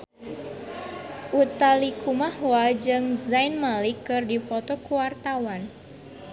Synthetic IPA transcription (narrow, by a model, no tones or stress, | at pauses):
ʔut̪alikʰumahwad͡ʒɨŋdzajnmalikːɨrdipɔt̪ɔkuwart̪awan